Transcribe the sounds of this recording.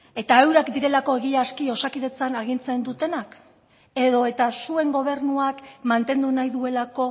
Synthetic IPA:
e̞t̪ae̞wɾakd̪iɾe̞lako̞e̞ɣiaskio̞sakiðe̞t͡sanaɣ̞int͡se̞nd̪ut̪e̞nak | e̞ðo̞e̞t̪asue̞ŋɡo̞β̞e̞ɾnuakmant̪e̞nd̪unajðue̞lako̞

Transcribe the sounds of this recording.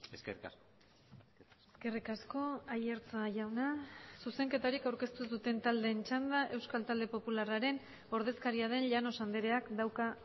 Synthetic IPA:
eskerias | eske̞rikasko̞aje̞ɾt͡saʝawnasuse̞ŋke̞t̪aɾikawɾke̞st̪usðut̪e̞nt̪ald̪e̞ːnt͡ʃand̪aʔe̞wskalt̪ald̪e̞po̞pularaɾe̞n | o̞ɾð̞e̞skaɾiað̞e̞nʎano̞sand̪eɾe̞akd̪awka

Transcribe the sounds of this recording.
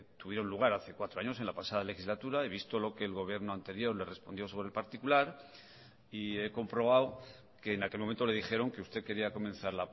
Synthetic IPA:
t̪uβjeɾo̞nluɣ̞aɾaθe̞kwat̪ɾoaɲo̞se̞nlapasað̞ale̞xizlat̪uɾaeβ̞ist̪o̞lo̞ke̞ːlɣo̞β̞je̞ɾno̞ant̪e̞ɾjo̞ɾle̞re̞spo̞nd̪jo̞soβɾelpaɾt̪ikulaɾ | ie̞ko̞mpɾo̞β̞aw | ke̞ːnake̞lmoment̪ole̞ðixe̞ɾo̞ŋke̞ust̪e̞ke̞ɾiako̞mẽ̞nθaɾla

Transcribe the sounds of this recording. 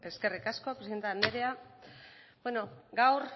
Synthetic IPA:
e̞ske̞rikasko̞pɾsiðent̪aand̪eɾea | bweno̞ɡawɾ

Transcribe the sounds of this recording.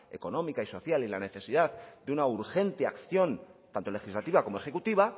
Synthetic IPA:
e̞ko̞nõ̞mikaiso̞θjalilane̞θe̞siðaðd̪eunauɾxe̞nt̪eakθjo̞nt̪ant̪o̞le̞xizlat̪iβako̞moe̞xe̞kut̪iβ̞a

